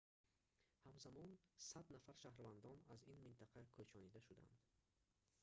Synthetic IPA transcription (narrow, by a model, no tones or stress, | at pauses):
hamzamɔnsad̪nafaɾʃahɾvand̪ɔnazinmint̪ʰaqʰakʰøt͡ʃʰɔnid̪aʃud̪a̰nd̪